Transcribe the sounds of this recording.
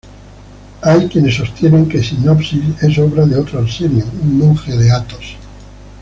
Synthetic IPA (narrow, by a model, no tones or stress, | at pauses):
ajkjene̞sːo̞st̪jenẽ̞ŋkesinopsise̞so̞β̞ɾaðeot̪ɾonsenjouŋmõŋxeðeat̪os